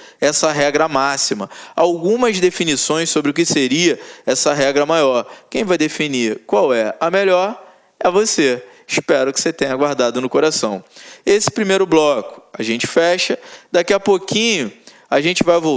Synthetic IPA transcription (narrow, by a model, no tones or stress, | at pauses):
ɛsɐɦɛɡɾɐmasimɐawɡũmɐzd̪efinisõj̃ssobɾɪʊk̬ɪseɾiɐɛsɐɦɛɡɾɐmajɔɾkẽj̃vajd̪efiniɾkwawɛɐmeʎɔɾ | ɛvose | ɪʃpɛɾʊkɪ̥set̪ẽɲ̃ɐɡwaɾd̪ad̪ʊnʊkoɾasɐ̰̃w̃esɪ̥pɾimejɾʊblɔkʊ̥aʒẽnt͡ʃɪ̥fɛʃɐd̪akiɐpokĩɲʊ | aʒẽnt͡ʃɪvajvo